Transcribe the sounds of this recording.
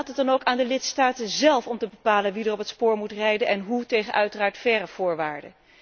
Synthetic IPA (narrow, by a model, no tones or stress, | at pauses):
tədɑnowkaːndəlɪtstaːtəzɛlˠfɔmtəbəpaːlənʋidərɔpɦətspʊːɹmutrɛjdənʔɛnɦutejχənʔœɥtəraːɹtfɛrəv̥ʊːɹʋaːɹdə̰